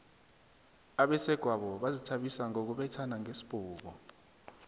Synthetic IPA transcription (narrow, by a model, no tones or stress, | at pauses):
aɓɛsɛɡ̥ʱwaɓɔɓazitʰaɓisaŋok̬uɓɛtʰanaŋesi̥ɓ̥ʱuːk̬ɔ